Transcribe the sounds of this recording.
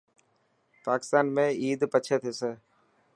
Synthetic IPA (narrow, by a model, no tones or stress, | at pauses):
paːkɪ̥st̪aːnmẽiːd̪pəːt͡ʃʰet̪ʰeːsə